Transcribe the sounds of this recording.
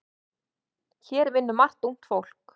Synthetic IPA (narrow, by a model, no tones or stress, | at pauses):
çɛːɾvɪnːʏmar̥t̪uŋ̥t̪fowl̥k